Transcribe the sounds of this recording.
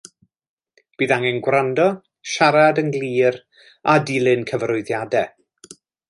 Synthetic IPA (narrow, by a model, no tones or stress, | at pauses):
b̥iːðaŋɛnɡwrandɔ | ʃaɾadəŋɡlˠiːɾ | adiːlˠɨnkʰəvrʊɨðjadɛ